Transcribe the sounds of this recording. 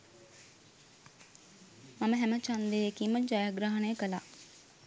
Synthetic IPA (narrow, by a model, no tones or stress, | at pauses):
maməɦæmət͡ʃand̪ejekiməd͡ʒajaɡɾaːɦɐnejəkəlaː